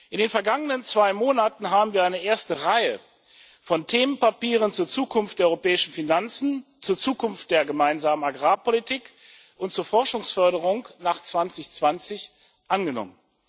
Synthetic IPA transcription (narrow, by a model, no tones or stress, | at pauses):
ʔɪndeːnfɛɐɡaŋənənt͡sv̥aɪmoːnatn̩ɦaːbm̩viːɐʔaɪnəʔeːɐstəʁaɪə | fɔntʰeːmənpapiːʁ̞ənt͡suːɐt͡suːkʰʊnftd̥eːɐɔʏʁopɛːɪʃn̩finant͡sn̩t͡suːɐt͡suːkʊnft̚d̥eːɐɡəmaɪnzaːmənaɡʁaːpolitiːk | ʔʊntt͡suːɐfɔɐʃʊŋsfœɐɾəʁʊŋnaːχt͡sv̥ant͡sɪçt͡sv̥ant͡sɪç | ʔanɡənɔ̰mən